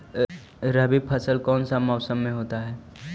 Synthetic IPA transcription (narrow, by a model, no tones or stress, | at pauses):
ɾəbipʰəsəlkɔːnsamɔːsəmːẽɦoːt̪aɦɛː